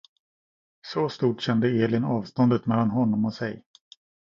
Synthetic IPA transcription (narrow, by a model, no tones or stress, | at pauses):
sɔst̪uːʈɕɛnd̪əeːlɪnɑːvst̪ɔnd̪ət̪mɛlːanɦɔnːɔmɔsɛj